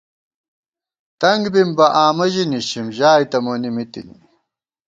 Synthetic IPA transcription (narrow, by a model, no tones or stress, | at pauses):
t̪ɐŋɡbimbɐʔaːmɐʑiniɕimʑaːjt̪ɐmonimit̪ḭnḭ